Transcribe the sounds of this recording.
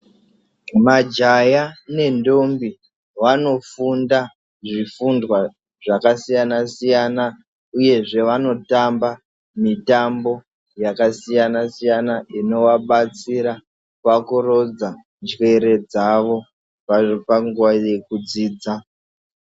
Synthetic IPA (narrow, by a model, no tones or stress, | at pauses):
mad͡ʒajane̞ndo̞mbi | ʋano̞funda | ʐifundwa | ʐakasijanasijana | uje̞ʐe̞ʋano̞tamba | mitambo̞ | jakasijanasijanaʔino̞waɓat͡siɾa | pakuro̞d͡za | nd͡ʒwe̞ɾe̞d͡zaʋo̞ | papaŋɡuwaje̞kud͡ziːd͡za